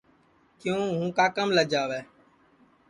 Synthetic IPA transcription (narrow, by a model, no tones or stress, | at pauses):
kɪjũːɦũːkaːkəmləd͡ʒaːʋɛː